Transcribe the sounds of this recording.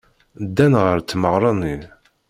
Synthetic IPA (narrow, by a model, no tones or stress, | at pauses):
d̪ːænʁəɾt͡s̪ːməʁɾˤɑnin